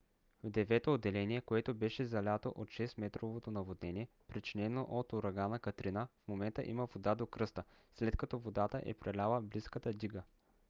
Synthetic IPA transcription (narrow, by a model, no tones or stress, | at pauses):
vd̪ɛvɛt̪oːd̪ːɛlɛniɛkoɛt̪obɛʃɛzɐlʲat̪o̰ʔot̪ʃɛst̪mɛt̪ɾovot̪onɐvod̪nɛnʲiɛ | pɾit͡ʃinɛnoʔot̪oɾɐɡanəkɐt̪ɾinəfmomɛnt̪ə̰ʔiməvod̪ad̪okɾɤst̪ə | slɛt̪kɐt̪ɔvod̪at̪əʔɛ̰pɾɐlʲalˠəbliskət̪əd̪iɡə